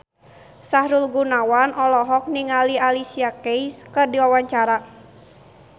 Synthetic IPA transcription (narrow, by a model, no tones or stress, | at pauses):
sahɾulɡunawanʔɔlɔɦɔk̚niŋalialisiakejskɨrdiwawaɲt͡ʃaɾa